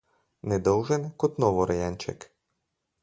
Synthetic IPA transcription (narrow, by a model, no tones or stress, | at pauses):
nɛd̪ɔwʒenkɔt̪nɔʋɔɾɐjanʲt͡ʃɛ̰k